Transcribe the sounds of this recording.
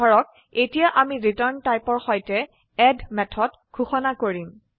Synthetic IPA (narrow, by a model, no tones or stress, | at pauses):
ɔɹɔk̚ | etijaʔamiɹitɔɹntajpɔɹxɔjtɛ | ɛdmɛtʰɔt | ɡ̥ʰʱuxɔnakoɹim